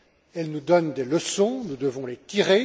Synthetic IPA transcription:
ɛlnud̪ɔnd̪eləsɔ̃nud̪əvɔ̃let̪iʁe

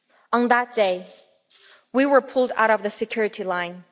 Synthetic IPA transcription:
ə̃nðət̚d̥eɪ | wiwə˞pʰʊlˠda̰ʊɾʌvðɨsɨkʰj̥ʊɹɨɾilãɪ̃n

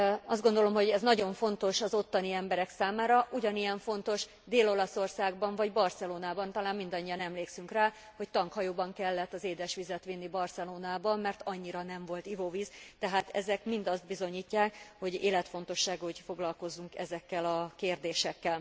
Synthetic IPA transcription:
ɒzd̪ɡo̞nd̪olo̞mho̞ɟɛznɒɟo̞ɱfo̞nt̪o̞ʃɒzo̞t̪ːɒniɛmbɛɾɛksaːmaːɾɒʔuɟɒnijɛɱfo̞nt̪o̞ʃ | d̪eːlo̞lɒso̞rsaːɡbɒɱvɒɟbɒrsɛloːnaːbɒnt̪ɒlaːmmːind̪ɒɲːijɒnɛmleːksyŋkraː | ho̞ct̪ɒŋkhɒjoːbɒŋkɛlːɛt̪ːɒzeːd̪ɛʃʋizɛt̪ʋinːibɒrsɛloːnaːbɒmːɛrt̪ɒɲːiɾɒnɛɱvo̞lt̪ivoviːzt̪ɛɦaːt̪ɛ̰zɛkmind̪ɒzd̪̚bizo̞ɲiːcːaːkho̞ɟḛːlɛt̪fo̞n̪t̪o̞ʃːaːɡuocfo̞ɡlɒlko̞zːuŋkɛzɛkːɛlɒkeːrd̪eːʃɛkːɛl

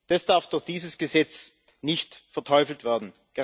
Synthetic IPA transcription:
d̥asd̥aɐfd̥ʊxd̥iːzəsɡ̥əzɛt͡s | nɪçtfɛɐtʰɔʏfl̩tv̥eːɐdn̩ | ɡ̥ə

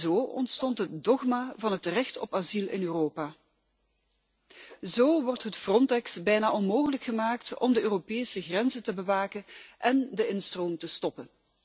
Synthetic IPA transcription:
zoːɔ̰ntstɔntɦət̚dɔχmaːvɑnɦətrɛxtɔ̰pazilˠɪ̰nøːroːpaː | zoːʋɔrtɦətfrɔntɛksbɛjnaːʔɔnmoːɣələkχəmaːktɔ̰mdəøːropeːsəɣrɛnzətəbəʋaːkənʔɛndəɪnstroːmtəstɔpən

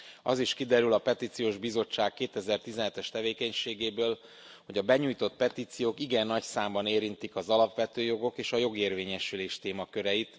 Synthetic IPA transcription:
ɒ̰ziʃkid̪ɛɾylɒpɛt̪iːt̪sijoːʒbizo̞t͡ʃːaːkːeːt̪ɛzɛrt̪izɛnɛt̪ɛʃt̪ɛveːkɛɲʃeːɡeːbøːl | ho̞ɟɒbɛɲuːjt̪o̞t̪̚pɛt̪iːt̪sijoːkiɡɛnːɒcsaːmbɒneːɾint̪ikɒzɒlɒpʋɛt̪øːjo̞ɡo̞keːʃɒjo̞ɡeːrveːɲɛʃyleːʃt̪eːmɒkø̞ɾɛjit̪

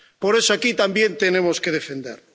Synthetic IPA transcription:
poɾesoakit̪ambjent̪enemoskeð̞efend̪ḛɾ

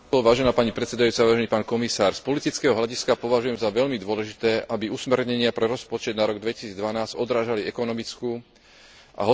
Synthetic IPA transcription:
ɔɔʋaːʒɛnaːpaɲipɾɛt̪t͡sɛd̪ajuːt͡saʋaːʒɛniːpaːnkɔmisaːɾspɔlit̪it͡skɛːɦɔɦʎaɟiskapɔʋaʒujɛmzaʋɛʎmid̪ʊɔlɛʒit̪ɛːʔabiusmɛɾɲɛɲɪapɾɛɾɔspɔt͡ʃɛd̪naɾɔɡd̪ʋɛci̥siːd͡zd̪ʋanaːzɟ̥ɔd̪ɾaːʒaliɛkɔnɔmit͡skuː | a̰ɦɔ

